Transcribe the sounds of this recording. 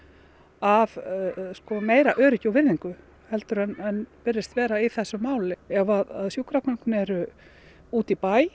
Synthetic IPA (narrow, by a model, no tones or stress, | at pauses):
avskɔmeːjɾaʔœːɾɪcawvɪɾðiŋkʏ | hɛlt̪ʏɾɛnɛnpɪrːɪst̪vɛːɾaiθɛsːʏmaːwlɪɛvaðaðsjukɾaknɔŋknɛɾʏ | uːt̪ipaːj